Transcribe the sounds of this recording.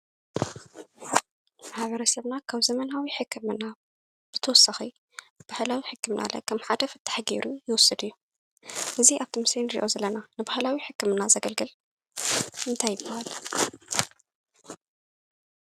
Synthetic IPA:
maħβɐɾɐsɐβnakʰaβzɐmɐnawiħɨkʰːɨmɨna | b̥ɨt̪ʰɐwɔsːɐxi | b̥ahlawiħɨkʰːɨmnʔa̰lɐ̰kʰɐmħad̪ɐfɨt̪ʰːḁħaɡḛɾujɨwɔsːɨd̪ɨjːu | ʔɨziʔaβt̪ʰimɨsenɾḭʔo̞zɐlːɐnanɨbahlawiħɨkːɨmɨnazɐɡɐlɡɨl | ʔɨnt̪ʰajːɪbːahal

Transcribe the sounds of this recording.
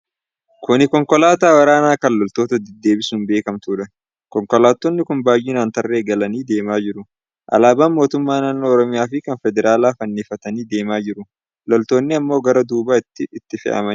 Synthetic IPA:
kʊnɪkɔŋkɔlaːt̪aːwɐɾaːnaːkɐnlɔlt̪oːt̪ɐd̪ɛd̪ːe̞ːbɪsuːnbe̞ːkɐmt̪uːᶑɐ | kɔŋkɔlaːt̪ːɔnːɪkʊnbaːjɪːnaːnt̪ɐrːe̞ːɡɐlɐniːd̪e̞ːmaːd͡ʒɪɾʊ | ʔɐ̰laːbaːnmo̞ːt̪ʊmːaːnaːnːoːɾɔmɪjaːfɪkɐnfɛd̪ɛɾʔaːlaːfɐnːɪfɐt̪ɐniːd̪e̞ːmaːd͡ʒɪɾʊ | lɔlt̪o̞ːnːɪɐmːo̞ːɡɐɾɐd̪uːbaːɪt̪ːɪːt̪ːɪfɪ̰ʔɐ̰mɐ

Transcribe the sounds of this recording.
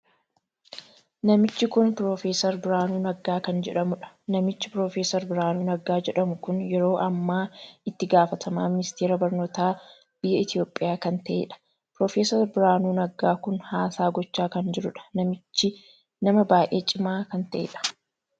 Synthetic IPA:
nɐmɪt͡ʃːɪkʊnpɾoːfeːsɐɾbɪɾaːnuːnɐɡaːkɐnd͡ʒɛᶑɐmʊᶑɐ̥nɐmɪt͡ʃːɪpɾo̞ːfeːsɐɾbɪɾaːnuːnɐɡaːd͡ʒɛᶑɐmʊkʊnjɛɾo̞ːʔɐmːaːɪt̪ːɪɡaːfɐt̪ʰɐmaːmɪnɪst̪eːɾɐbɐɾnoːt̪aː | b̥ɪjːɐɪt̪ɪjo̞ːpʼːɪjaːkɐnt̪ɐʔḛːᶑɐ̥ | pɾo̞ːfeːsɐɾbɪɾaːnuːnɐɡaːkʊnhaːsaːɡɔt͡ʃːaːkɐnd͡ʒɪɾʊᶑɐ̥nɐmɪt͡ʃːɪ | nɐmɐbaːʔe̞ːt͡ʃʼɪmaːkɐnt̪ɐʔḛᶑɐ̥

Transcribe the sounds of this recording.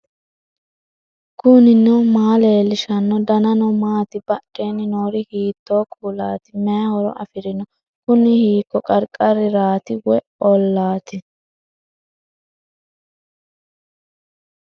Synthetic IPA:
kʊnɪnːɔmaːleːlːɪʃɐnːɔd̪ɐnɐnɔmaːt̪ɪbɐʔʼeːnːɪnoːɾɪhiːt̪ːoːkʰuːlaːt̪ɪmɛɐhɔɾɔ̰ʔɐ̰fɪɾɪnɔ | kʊnɪhiːkːɔkʼɐɾkʼɐɾɪɾaːt̪ɪwɛ | ɔlːaːt̪ɪ

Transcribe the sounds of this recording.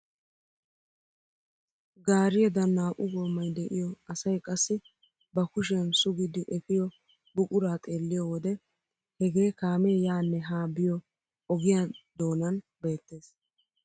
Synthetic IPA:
ɡaːɾɪjɛd̪ɐnːaːʔʊɡɔːmːɐjd̪ɛʔɪjɔɐsɐjkʼɐsːɪ | bɐkʊʃ̬ɪjɐnsʊɡɪd̪ɪʔɛfɪjɔ | bʊkʼʊɾaːt̪ʼeːlːɪjɔwɔd̪ɛ | hɛɡe̞ːkaːmɛɛjaːnːɛɦaːbɪjɔ | ɔɡɪjad̪o̞ːnɐn | be̞ːt̪ːe̞ːs

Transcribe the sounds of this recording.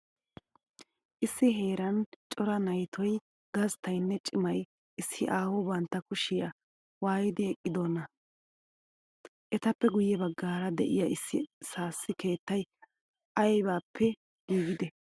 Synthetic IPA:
ʔɪsːɪɦe̞ːɾɐnt͡ʃʼɔɾɐnɐjt̪ʰɔj | ɡɐzt̪ɐjnːɛt͡ʃʼɪmɐj | ʔɪsːɪʔaːwɔbɐnt̪ːɐkʊʃɪja | waːjɪd̪ɪɛkʼːɪd̪oːnːɐ | ʔɛt̪ɐpːɛɡʊjːɛbɐɡːaːɾɐd̪ɛ̰ʔɪjaɪsːɪsaːsːɪke̞ːt̪ːɐj | ʔɐjbaːpʰːɛ | ɡ̥iːɡɪd̪ɛ

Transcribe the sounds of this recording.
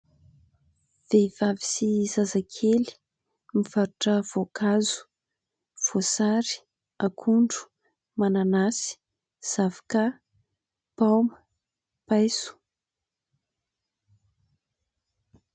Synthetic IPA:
v̥evavisizazakʰeli̥ | miv̥aɾuʈ͡ʂəv̥okʰazu̥ | v̥osaɾi̥ | akʰuɳɖ͡ʐu̥ | mananasi̥ | z̥avaka | pawmə | pajsu̥

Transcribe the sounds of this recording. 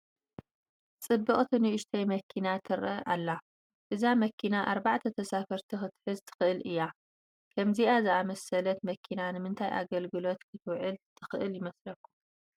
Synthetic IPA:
t͡sʼɨbːɨχʼt̪ʰinɨʔʊʃt̪ʰɐjmɐkʰinat̪ʰɨɾʔɐ̰ʔa̰lːa | ʔɨzamɐkʰinaʔaɾbaʕt̪ʰɐt̪ʰɐsafɐɾt̪ʰixɨt̪ħɨzt̪ʰɨ̥xɨʔɨlʔɨjːa | kʰɐmziazɨʔamɐsɐlɐt̪mɐkʰinanɨmɨnt̪ʰajʔa̰ɡɐlɡɨlo̞t̪kʰɨt̪wʕɨlt̪ʰɨxɨʔɨljɪmɐslɐkːu̥

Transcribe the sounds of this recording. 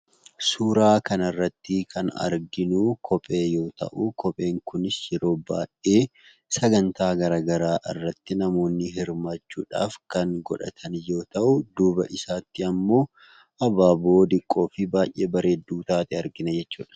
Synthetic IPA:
suːɾaːkɐnɐrːɐt̪ːɪkʰɐnɐ̰ɾɡɪnukʰɔpʼe̞ːjo̞ːt̪ɐ̰ʔukɔpʼe̞ːŋkʊnɪsjɛɾo̞ːba̰ːʔeː | sɐɡɐnt̪aːɡɐɾaːɡɐɾaːʔɪ̰rːɐt̪ːɪnɐmo̞ːnːɪɦɪɾmat͡ʃːṵːᶑa̰ːfkɐŋɡɔ̰ᶑɐ̰t̪ʰɐnjo̞ːt̪ɐʔʊd̪uːbɐ̰ʔɪsaːt̪ːɪɐmːo̞ː | ʔɐbaːbo̞ːd̪ɪkʼːo̞ːfɪbaːjʔʔeːbɐɾe̞ːd̪uːt̪aːt̪ɪɐɾɡɪnɐd͡ʒɛt͡ʃːṵːᶑɐ̥

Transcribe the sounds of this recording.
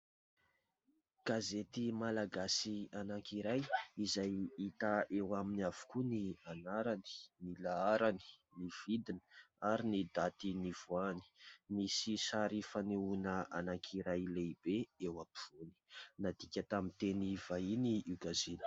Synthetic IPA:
ɡ̥azet̪imalaɡasianaŋkiɾajizajit̪aewaminiav̥u̥kunianaɾani̥nilaaɾani̥niv̥id̪inə̥ | aɾinid̪at̪iniv̥uani̥misisaɾifaneunəanaŋkʰiɾajleib̥eewapiv̥uni̥nad̪̥ikʲat̪amit̪enivainiuɡazilə̥

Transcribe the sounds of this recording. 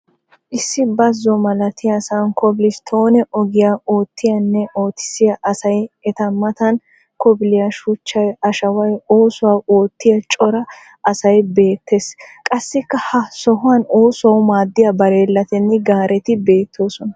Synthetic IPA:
ʔɪsːɪbɐzːɔmɐlɐt̪ɪjasaːnkɔbɪlɪst̪ʰoːnɛʔɔɡɪjaːo̞ːt̪ʰːɪjɐnːɛʔo̞ːt̪ːɪ̥sɪjɐʔɐsɐjɛt̪ɐmːɐt̪ɐn | kɔbɪlɪjɐʃʊt͡ʃːɐjɐʃɐwɐjo̞ːsʊwaːo̞ːt̪ːɪjɐt͡ʃʼɔɾɐ | ʔɐsɐjbe̞ːt̪ʰːeskʼɐsːɪkːɐhɐsɔɦʊwɐnoːsʊɐwʊmaːd̪ːɪjɐbɐɾeːlːɐt̪ɛnːɪɡaːɾɛt̪ɪbe̞ːt̪ʰːo̞ːsɔnɐ

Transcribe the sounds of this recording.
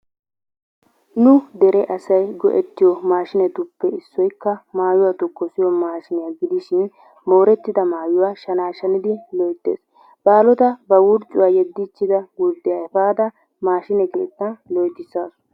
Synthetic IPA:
nʊd̪ɛɾɛʔɐsɐjɡɔ̰ʔɛt̪ːɪjɔmaːʃɪnɛt̪ʊpːɛɪsːɔjkːɐmaːjʊwaːt̪ɔkːɔsɪjɔmaːʃɪnɪjaːɡɪd̪ɪʃɪn | mo̞ːɾɛt̪ːɪd̪ɐmaːjʊwaːʃɐnaːʃɐnɪd̪ɪlɔjt̪ːḛːs | b̥aːlɔt̪ɐbɐwʊɾt͡ʃʼːʊwaːjɛd̪ːɪt͡ʃːɪd̪ɐɡʊɾd̪ːɪjaɛfaːd̪ɐ | maːʃɪnɛkḛːt̪ʼːɐlɔjt̪ːɪsaːs

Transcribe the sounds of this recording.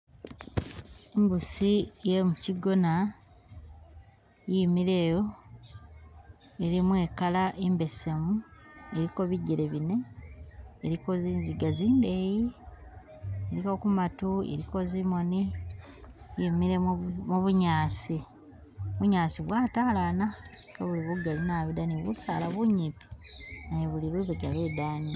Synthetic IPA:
embusijemuciɡo̞na | jimiɾe̞ːjo̞ | eɾimwe̞ːkalaʔembe̞se̞mueɾiko̞βiɟeɾeβine̞ː | ɾiko̞ziːnziɡaziːndeji | ɾiko̞kumatuḛɾiko̞zimo̞ni | jemiɾemuβuɲaːsi | βuɲaːsiβwaːtaːlaːna | kaβuliβuɡalinaːβid̪aniβusaːlaβuɲipi̥najeβuliɾuβeɡaβe̞daːni

